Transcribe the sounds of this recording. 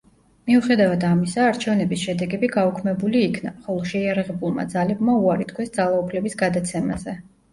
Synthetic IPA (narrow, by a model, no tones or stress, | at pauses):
miuχɛd̪avad̪amisaːɾt͡ʃʰɛvnɛbisʃɛd̪ɛɡɛbiɡaukʰmɛbuliːkʰna̰χɔlˠɔʃɛiaɾaʁɛbulˠma̰d̪zalɛbmauaɾit̪kʰwɛsd̪zalˠaupʰlɛbisɡad̪at̪sʰɛma̰zɛ